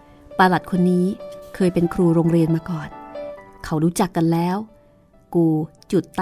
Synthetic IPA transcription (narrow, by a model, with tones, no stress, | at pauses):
paː˧la˨˩t̪̚kʰo˧nːiː˦˥kʰɤː˧jpe˧nkʰɾuː˧ɾoː˧ŋɾi˧ənmaː˧kɔː˨˩nkʰa˦˥wɾuː˦˥t͡ɕa˨˩kːa˧nlɛː˦˥w | kuː˧ | t͡ɕu˨˩t̪ː